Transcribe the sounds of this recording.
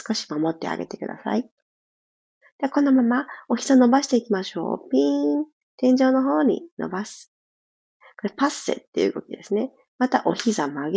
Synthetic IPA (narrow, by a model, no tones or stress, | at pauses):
sɨ̥ko̞ɕi̥mamo̞t̪ːe̞̰a̰ɡe̞t̪e̞kɯ̟d̪a̰sa̰i | d̪eakõ̞nːo̞mamao̞çi̥zano̞baɕi̥t̪e̞ikʲimaɕo̰ːpʲĩ | t̪ẽ̞ɲ̟d͡ʑo̞ːno̞ɦo̞ːɲ̟ḭno̞̰basɨ̥ | ko̞ɾepasːe̞̰t̪ːe̞jiɯ̟̰ɡo̞̰kʲid̪e̞sɨne̞ | mat̪aʔo̞çʲizamoaɡe